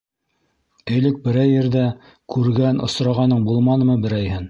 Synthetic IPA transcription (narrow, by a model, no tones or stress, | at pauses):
t̪ɘ̆jlɘk̚bɘ̆ɾæjːɘ̆ɾðæ | kʰʉɾɡænʔŏ̰sɾɑʁɑnːɤɴbulˠmɑnɤ̆mɤbɘ̆ɾæjhɘn